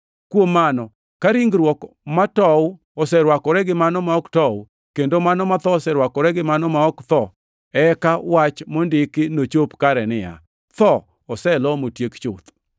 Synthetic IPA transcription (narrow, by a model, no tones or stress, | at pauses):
kwomːanɔ | kaɾiŋɡɾwɔkmatɔw | ɔsɛɾwakɔɾɛɡɪmanɔmaɔktɔw | kendomanɔmat̪ɔsɛɾwakɔɾɛɡɪmanɔmaɔkt̪ɔ | ɛkawat͡ʃmɔndɪkɪnot͡ʃopkaɾɛnɪja̰ | t̪ɔ | ɔsɛlɔmotjekt͡ʃʊt̪